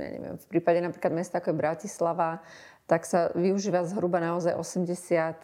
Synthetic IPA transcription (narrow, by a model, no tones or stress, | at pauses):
ja̰ɲɛ̰ʋɪɛ̰mfpɾiːpaɟɛnapɾiklad̪mɛst̪aakɔjɛbɾacislaʋa | t̪aksaʋiuʒiːʋazɦɾubanaɔzajʔɔsɛmɟɛsɪat̪